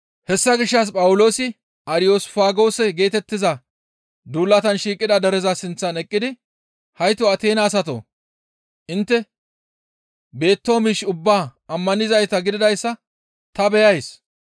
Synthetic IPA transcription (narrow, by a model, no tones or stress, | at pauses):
hɛsːɐɡɪʃːɐs̬pʼɐwʊlo̞ːsɪ | ɐɾɪjo̞ːsfaːɡo̞ːsɛɡe̞ːt̪ɛt̪ːɪzɐ | d̪uːlːɐt̪ɐnʃiːkʼːɪd̪ɐd̪ɛɾɛzɐsɪnt͡sːɐnɛkʼːɪd̪ɪ | hɐjt̪ɔɐt̪e̞ːnaːsɐt̪o̰ | ʔɪnt̪ːɛ | be̞ːt̪ːoːmiːʃʊbːaːɐmːɐnɪzɐjt̪ɐɡɪd̪ɪd̪ɐjsːɐ | t̪ɐbɛjɐjs